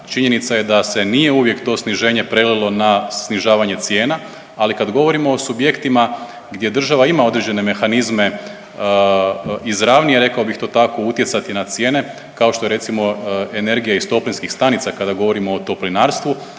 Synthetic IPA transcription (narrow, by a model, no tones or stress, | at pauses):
t͡ʃiɲe̞nit̪saje̞d̪ase̞nije̞uʋje̞kt̪o̞sniʒe̞ːɲe̞pɾelilˠo̞nasniʒaːʋaɲe̞t̪sje̞ːna | alikad̪ɡo̞ʋo̞ɾimo̞ːsubje̞kt̪ima | ɡd̪je̞d̪r̩ʒaʋaimao̞d̪ɾed͡ʑe̞ne̞me̞xanizme̞ | izɾaːʋnijeɾe̞kaobixt̪o̞ːt̪ako̞ut̪jesat̪inat̪sje̞ːne̞ | kao̞ʃt̪oe̞ɾe̞t̪simo̞ene̞ɾɡijaist̪o̞plinskixst̪anit̪sakad̪aɡo̞ʋo̞ɾimo̞ːt̪o̞plinaːɾst̪ʋu